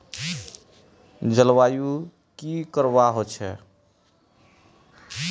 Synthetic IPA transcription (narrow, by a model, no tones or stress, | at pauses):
d͡ʒəlwaju | kikəɾβaɦot͡ʃʰɛ